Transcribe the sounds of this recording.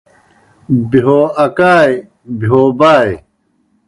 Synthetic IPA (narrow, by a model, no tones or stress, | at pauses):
biɦoːɐkaːj | biɦoːbaːj